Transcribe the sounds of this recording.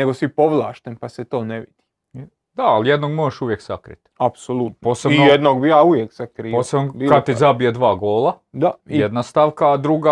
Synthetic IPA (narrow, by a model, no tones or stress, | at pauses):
neɡosipoʋlˠaːʃt̪enpaset̪oːneʋid̪̥i | d̪aaljed̪noɡmoɾaʃuʋjeksakɾḭt̪apsolˠut̪npoːsebinojed̪noɡ̚bijaːuʋjeksakɾiposebnokad̪t̪ːizabijad̪ʋaːɡoːlad̪ajijed̪nast̪aʋkaːd̪ɾuɡa